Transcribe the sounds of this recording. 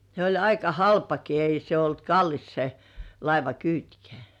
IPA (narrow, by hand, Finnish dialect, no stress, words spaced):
se olʲ ɑikɑ hɑlpɑki ei se olt kɑlːis se lɑiʋɑkyːtkĕ̥æ̥ˑ